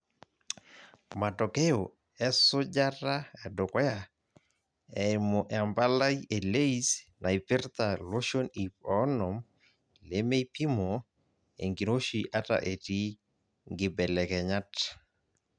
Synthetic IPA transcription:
ma˨tɔ˨ke˦jo˨ | ɛ˦sʊ˦d͡ʒa˦ɾa˦ɛ˨dʊ˨kwɛ˦ja˨ | ɛ˨mo˨ʔɛa˨mba˦la˦ie˨le˦isna˨i˨pɪ˦ɾt̪a˨lo˦ʃo˦ni˨pɔ˦nɔ˨m | le˦me˦ipi˦mo˨ | ḛ˨ŋɡi˨no˦ʃiʔa˦ta̰˨ʔe˨ti˦ | ŋɡɪ˨bɛ˨lɛ˨kɛ˨ɲa˦t

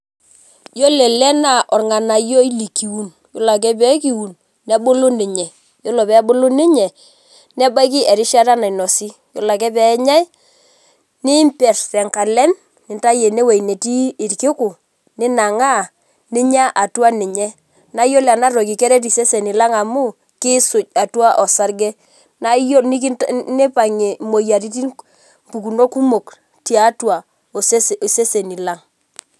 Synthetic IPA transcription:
jo˦lɛ˨lɛ˦na˦ʔɔ˨rŋa˨na˨jo˦i˦li˨ki˨wu˦n | jɔ˦la˨k̬ɛ˦p̬ɛ˦ki˨wu˨n | nɛ˦bʊ˦lʊ˦nɪ˨ɲɛ˨ | jo˦lɔ˨pɛ˨˦bʊ˦lʊ˦nɪ˦ɲɛ˨ | nɛ˦ba˦k̬i˦ʔɛ˨ɾɪ˦ʃa˦ta˦na˨i˨nɔ˨si˦ | jɔ˨˦la˨k̬ɛ˦pɛ˨˦ɲa˦j | nɪ˦mpɛ˨ɾsɛ˨ŋka˨lɛ˦m | nɪ˨nta˦je˨ne˦we˨i˨ne˨ti˦ɪ˨ɾkɪ˦kʊ˨ | nɪ˦na˨ŋa˦˨ | nɪ˦ɲa˦ʔa˨twa˦nɪ˨ɲɛ˦ | na˦jɔ˦la˨na˦ro˨ki˨kɛ˦ɾɛ˦t̬i˨se˦se˨ni˨la˦ŋa˨mʊ˦ | kɪ˦sʊ˨c̚a˨twa˦ʔɔ˨sa˦ɾɡɛ˦ | na˦jo˦nɪ˦knɪ˦pa˨ŋe˨mo˨ja˨ɾi˦ti˦ | mpu˨ku˨no˦ku˦mo˨k | tja˨˦twa˨ | o˨se˦sse˦se˨ni˨la˦ŋ

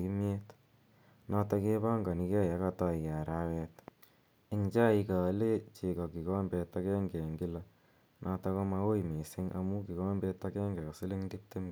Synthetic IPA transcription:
i˦mje˦t | na˦ta˧ke˦ba˦ŋɡa˨ni˦kɛ˦ja˦ka˦ta˨i˨a˨ɾa˦wɛt | ɪ˨ŋt͡ʃa˦i˧ka˨˦le˦t͡ʃe˨kɔ˨ki˨kɔ˦mbɛ˧ta˧kɛ˦ŋɡɛ˨ŋɡi˦la˨ | nʔa˧ta˧kɔ˧ma˧wo˦ime˨se˦ŋʔa̰˨mu˦ki˨kɔ˦mbɛ˧tːa˦kɛ˦ŋɡɛ˨kɔ˨si˦le˦ŋdi˦p̚te˦m˦

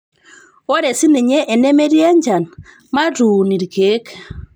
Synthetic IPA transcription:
ɔ˦ɾɛ˨si˦ne˨ɲɛ˦ʔːnɛ˦mɛ˦ɾi˦ɛ˦ɲd͡ʒa˨n | ma˦ɾu˨ni˨ɾiɡe˦k

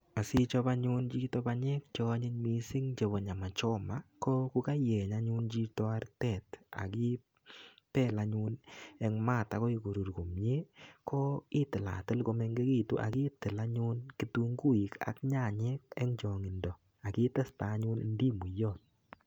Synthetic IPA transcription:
a˨si˦t͡ʃɔ˧pa˦ɲu˦nt͡ʃi˦tɔ˦baɲɛ˦k̚t͡ʃɔ˧˦ɲɪ˦ɲmi˦si˦ŋt͡ʃe˨βɔ˨ɲa˨ma˨t͡ʃɔ˦ma˦ko˦ku˦ka˦jɛ˨ɲa˦ɲu˦nt͡ʃi˧tɔ˦a˦ɾtɛ˨ta̰˨ki˦ | pɛ˦˨la˧ɲu˧nɛ˧ŋma˦˨ta˨kɔ˦i˨ko˨ɾu˨ɾko˨mɲe˦kʰɔ˦i˦tɪ˨la̰˨tɪ˦lko˧mɛ˧ŋɡe˦ki˦˨tṵ˦ʔa̰˨ki˦tɪ˨la˦ɲu˦nki˦tu˦ŋɡu˦i˨ka̰˨kɲa˦˨ɲɛ˦k̚ɛ̰˦ŋt͡ʃɔ˨ŋi˨ndɔ˨ | a˨ki˦ta˦sta˨˦ɲʊ˦nḭ˦ndi˦mu˨jɔ˦˨t̚

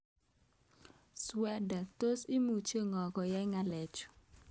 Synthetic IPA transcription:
swɛ˦da˨to˦sɪ˦mu˨t͡ʃe˦ŋɔ˨ɡɔ˨jɛ˦ŋa˦lɛ˨t͡ʃɔ̥˨

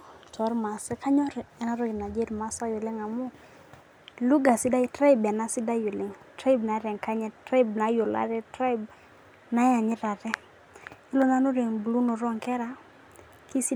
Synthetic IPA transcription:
tʰɔ˨˦ɾma˨sɛ˦ka˦ɲɔ˦ɾɛ˨na˦ɾɔ˦ɡɪ˨na˨d͡ʒe˦ɾma˨sa˦jʊ˨lɪ˦ŋa˨mʊ˦ | lu˦ɡa˨sɪ˦da˦jtɾa˦ɪ˦bɛ˨na˦sɪ˦da˦jʊ˨lɪ˦ŋtɾa˦i˦bna˨˦ɾɛ˨ŋka˦ɲɛ˦tɾa˦ɪ˦bna˦jo˨la̰˦ɾɛ˦tɾa˦jb | na˨˦ja˨ɲɪ˦ɾa˨ɾɛ˦ | ɪ˦lo˦na˨˦no˦ɾe˨ŋbu˨lu˦no˨ɾɔ˦ŋkɛ˦ɾa˨ | ki˦si˦

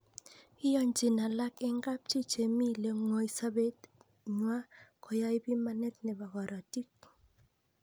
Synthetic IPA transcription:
ɪ˦jɔ˦ɲd͡ʒɪ˨na˨la˦kɪ˦ŋɡa˦p̚t͡ʃi˦t͡ʃe˨mi˦le˨ŋo˨i˨˦sa˦be˦t̪ | ɲwa˦kʰɔ˨ja˦i˦bi˦ma˦nɛ˦t̪̚nɛ˨ba˨ɡɔ˨ɾʔa˨ti˦k̚

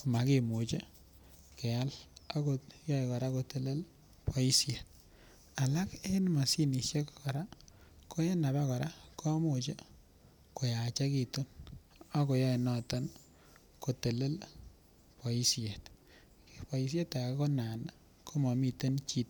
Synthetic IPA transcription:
kma˨ke˦mo˨t͡ʃe˦ | kɛ˨a˦la˦ko˨jɔ˦i˨kɔ˨ɾa˦ko˨te˨le˦l | pwɔ˨i˦sje˨t̚ | a˨la˦ke˦nma˨si˦ni˨ʃje˦kkɔ˨ɾa˦ko˦e˦na˨ba˦kɔ˨ɾa˦kʰo˦mo˨t͡ʃe˦ | ko˨ja˨t͡ʃa˦ki˨tu˦n | a˦ko˨jɔ˦e˨nɔ˦ta˦n | ko˨te˨le˦l | pɔ˨i˦sje˨t | kepɔ˨i˨s̬je˦ta˨ka˦ko˦na˨n | kʰo˦ma˨mi˨te˦nt͡ʃi˦t̚

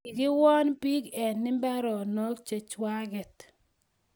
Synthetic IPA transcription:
i˨ɡɪ˦wɔ˦npi˦ɡɛ˨nːɪ˦mbɛ˦ɾɔ˨no˦kt͡ʃe˨t͡ʃwa˦ɡɛ˨t

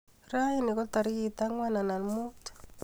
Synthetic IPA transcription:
ɾa˦ji˦ni˨kɔ˦ta˨ɾi˦kit̪a˦ŋwa˦na˨na˨nmu˦t

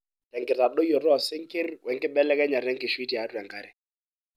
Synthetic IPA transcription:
tɛ˨ŋ̩kɪ˨ta˨ɗo˦jo˨rɔ˨sɪ˦ŋ̩˦kɪ˦rwɛ˨ŋ̩˦kʼɪ˦ɓɛ˦lɛ˦kɛ˦ɲa˨ɾɛ˦ŋ̩kɪ˨ʃwi˦ti˨a˨˦tʼwɛ˨ŋka˨ɾɪ˨

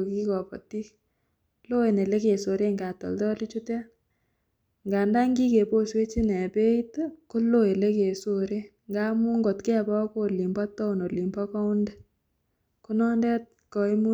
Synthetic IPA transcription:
ki˦kɔ˨pɔ̰˨ti˦k | lo˦e˨ne˨le˦ke˨so˨ɾe˦ŋɡa˨tɔ̰˨ltɔ˦li˦t͡ʃu˦tɛ˦ | ŋɡa˨nda˦ŋɡi˦ke˨po˦swe˦t͡ʃi˦nɛ˨pe˦i˦tko˦lo˦e˨le˦ke˨so˨ɾe˦ | ŋɡa˦mu˦ŋɡo˨tkɛ˦˨bɔ˦ko˦˨li˨mbɔ˦tːɔ˦u˨no˨li˨mbɔ˦kɔ˦u˦ndɛ˦ | ko˦nɔ˦ndɛ˦t̚kɔ˨i˦mu˦

